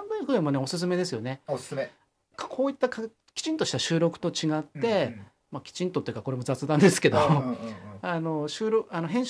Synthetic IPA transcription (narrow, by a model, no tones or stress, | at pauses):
ãmd̪ɯɸɯĩmone̞o̞sɨs̬ɨme̞d̪e̞sɨjo̞ne̞ossme | kkʰo̞ːit̪ːaka | kʲi̥t͡ɕĩnt̪o̞ɕi̥t̪aɕɨːɾo̞kɯ̟̥t̪o̞t͡ɕiɡat̪ːe̞ | makʲi̥t͡ɕĩnt̪ot̪o̞jiɯ̟kḁko̞ɾe̞mo̞d͡zat͡sɨd̪ãnd̪e̞sɨ̥ke̞d̪o̞ | ano̞ɕɨːɾokanoɦẽ̞ɰ̃